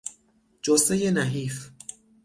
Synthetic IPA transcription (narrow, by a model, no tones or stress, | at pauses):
d͡ʒosejenæɦiːf